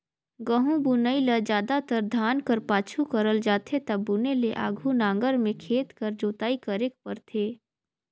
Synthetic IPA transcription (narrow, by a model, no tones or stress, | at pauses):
ɡəɦũbunəiləd͡ʒjaːd̪at̪əɾd̪ʱaːnkəɾpaːt͡ʃʰukəɾəld͡ʒaːt̪ʰet̪ɐbːuneleʔa̰ːɡʱunãːŋɡəɾmẽkʰeːt̪kəɾd͡ʒoːt̪aːikɐɾeːk̚pəɾt̪ʰeː